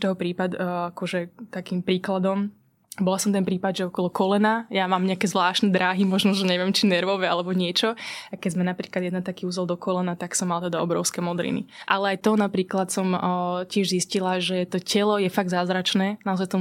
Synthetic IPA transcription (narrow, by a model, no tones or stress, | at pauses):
t̪ɔɦɔpɾiːpad̪akɔʒɛt̪akiːmpɾiːklad̪ɔm | bɔlasɔmt̪ɛnpɾiːpad̪ʒɛɔkɔlɔkɔlɛnajamaːmɲɛakɛːzʋlaːʃt̪nɛd̪ɾaːɦimɔʒnɔʒɛɲɛʋɪɛmt͡ʃinɛɾʋɔʋɛalɛbɔɲɪɛt͡ʃɔakːɛzmɛnapɾiːklad̪jɛd̪nat̪akiːuzɛlˠd̪ɔkɔlɛnat̪aksɔmːalt̪ɛd̪aɔbɾɔ̰ʊskɛmɔd̪ɾḭnḭʔalɛajt̪ɔɔnapɾiːklat̪sɔmcɪɛʒziscilaʒɛt̪ɔcɛlɔjɛfaɡd̪zaːzɾat͡ʃnɛːnaɔzajt̪ɔ